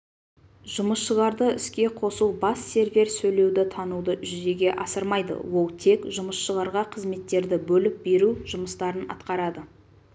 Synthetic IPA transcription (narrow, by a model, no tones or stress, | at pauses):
ʒ̥ʊməsʃəʁɑɾd̪əɪskʲe̞qʰo̞sulˠbɑsːe̞ɾvʲe̞ɾsɵjle̞wd̪ɪt̪ʰɑnud̪əʒʏze̞ɡʲe̞ʔɑsəɾmɑjd̪ə̰wo̞lˠt̪ʰe̞kʒʊməsʃəʁɑɾʁɑqʰəzme̞t̪ːe̞ɾd̪ɪbɵlɪp̚be̞ɾuʒʊməst̪ɑɾənɑ̰t̪qɑɾɑd̪ə